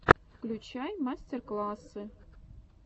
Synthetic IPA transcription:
fklʲut͡ɕajmasʲtʲerklˠɑsɨ

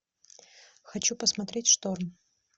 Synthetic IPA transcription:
xɐt͡ɕupəsmɐt̪ɾʲetʲʂt̪orm

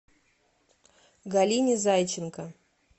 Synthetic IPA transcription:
ɡalʲinʲizajt͡ɕɪnkɐ

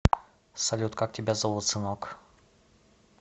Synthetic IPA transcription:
salʲut̪kak̚tʲɛbʲɛzawɔt̪sɨnɔk

